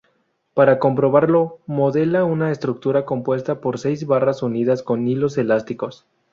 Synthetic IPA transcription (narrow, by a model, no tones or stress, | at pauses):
paɾakompɾo̞βaɾlo̞mo̞ðe̞launaest̪ɾuk̚t̪uɾako̞mpwe̞st̪apo̞ɾse̞jzβarasuniðasko̞nːilo̞se̞last̪iko̞s